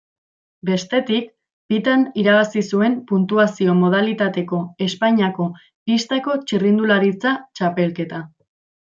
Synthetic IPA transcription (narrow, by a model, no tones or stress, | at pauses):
be̞st̪e̞t̪ik̚ | pit̪aniɾaβ̞asisue̞mpunt̪uasio̞mo̞ð̞alit̪at̪e̞ko̞e̞spaɲiako̞ | pist̪ako̞t͡ʃirind̪ulaɾit͡sat͡ʃape̞lke̞t̪a